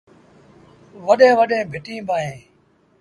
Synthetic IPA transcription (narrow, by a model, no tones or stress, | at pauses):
ʋəɗẽːʋəɗẽːbʱɪʈĩːbaːẽː